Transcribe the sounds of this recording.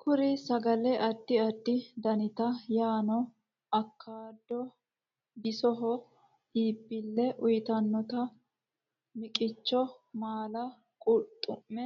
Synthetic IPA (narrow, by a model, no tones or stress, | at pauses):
kʰʊɾɪsɐɡɐlɛʔɐd̪ːɪɐd̪ːɪd̪ɐnɪt̪ɐjaːnɔ | ɐkʰːaːd̪ːɔ | bɪsɔɦɔ | iːbːɪlːɛʔʊjt̪ɐnːɔt̪ɐ | mɪkʼɪt͡ʃːɔmaːlɐ | kʼʊt̪ʼːʊmːɛ